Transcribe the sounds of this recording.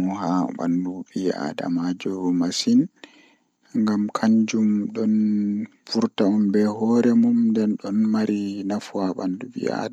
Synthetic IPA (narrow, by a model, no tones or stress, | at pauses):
mɔhaɓa̰ndubia̰da̰mad͡ʒɔmasin | ŋɡamkʰaɲd͡ʒumɗɔnfuɾtaumbɛhɔɾɛmumdɛnɗɔnmaɾinafuaɓa̰nduɓḭa̰da